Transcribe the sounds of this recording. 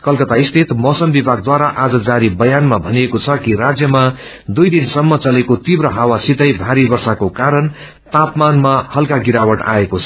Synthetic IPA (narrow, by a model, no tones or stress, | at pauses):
kʌlkʌt̪aist̪ʰit̪mʌsʌmbibʱaɡ̚d̪waɾaʔad͡zʌd͡zaɾibʌjanmabʱʌniekot͡sʰʌkiɾad͡zjʌma | d̪ujd̪insʌmːʌt͡sʌlekot̪ibrʌɦawasit̪ʌjbʱaɾibʌrsakokaɾʌn | t̪apmanmahʌlkaɡiɾawʌʈa̰ekot͡sʰʌ